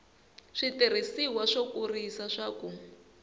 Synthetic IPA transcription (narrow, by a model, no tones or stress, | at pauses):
ʂitir̤isiwaʂokurisaʂaku